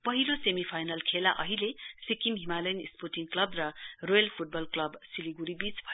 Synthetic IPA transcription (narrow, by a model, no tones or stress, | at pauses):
pʌɦilosemipʰajnʌlkʰelaʔʌɦilesikimɦimalʌjnḭsporʈiŋklʌbrʌrojʌlpʰuʈ̚bʌlklʌbsiliɡuɾibit͡sbʱʌjo